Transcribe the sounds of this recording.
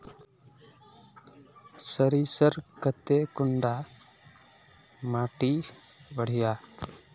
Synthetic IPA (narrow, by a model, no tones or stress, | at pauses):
səɾisəɾkət̪ekʊɳɖa | maʈi | bəɽ̤ija